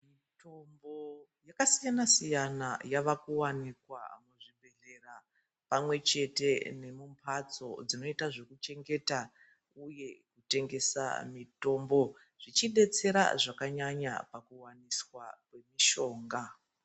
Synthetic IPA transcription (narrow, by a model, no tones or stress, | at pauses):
mi | to̞mbo̞jakasijanasijanajaʋakuwanikwa̰muʐibʱe̞ɮe̞ra | pamwe̞t͡ʃe̞te̞ne̞mumpʰat͡so̞̰d͡zino̞itaʐo̞kut͡ʃe̞ŋɡe̞ta | uje̞kute̞ŋɡe̞sa̰mito̞ːmbo̞ | ʐ̥it͡ʃiɗe̞t͡se̞ɾa̰ʐakaɲaɲa̰pakuwaniswakwe̞miʃo̞ːŋɡa